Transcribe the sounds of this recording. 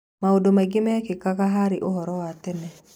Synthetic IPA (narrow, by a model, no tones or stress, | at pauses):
maodomaɡɪmɛkɪkakaɦaɾɪʔoɦɔɾɔwatɛnɛ